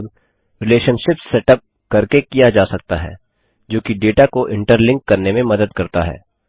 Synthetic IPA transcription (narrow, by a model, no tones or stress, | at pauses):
d̪ | ɾɪleːʃənʃɪpsːɛʈəp̚ | kɐɾkekijad͡ʒaːsɐk̚t̪a̰ɦɛ̰ː | d͡ʒoːkiɖeːʈakoʔɪ̃ɳʈəɾlɪ̃ŋkːɐɾnemẽmɐd̪əd̪kɐɾt̪aɦɛ̰ː